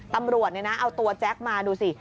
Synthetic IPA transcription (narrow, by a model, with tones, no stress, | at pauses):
t̪a˧mɾu˨˩ət̪̚ni˧˩na˦˥ʔa˧wt̪u˧ɐt͡ɕɛ˦˥k̚maː˧duː˧si˨˩